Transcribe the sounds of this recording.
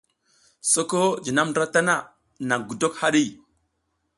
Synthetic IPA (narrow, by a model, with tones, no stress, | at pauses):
so˦ko˦d͡ʒi˨na˦mndɾa˦ta˦na˦˨ | na˨ŋɡu˨do˦kha˦ɗi˦˨